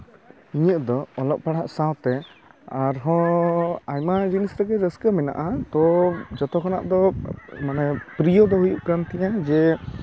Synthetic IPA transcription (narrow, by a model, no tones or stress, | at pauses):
iɲəʔd̪ɔːlɔʔ̚paɽaʔsãwt̪ɛaɾɦɔ̃ | ajmad͡ʒinisɾɛɡɛɾəskəmɛna̰ʔat̪ɔd͡ʒɔt̪ɔkɔna̰ʔd̪ɔmanɛpɾijɔd̪ɔɦujuʔpɾant̪iɲad͡ʒɛ